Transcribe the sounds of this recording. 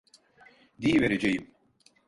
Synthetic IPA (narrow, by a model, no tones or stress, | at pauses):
d̪iveɾed͡ʒejim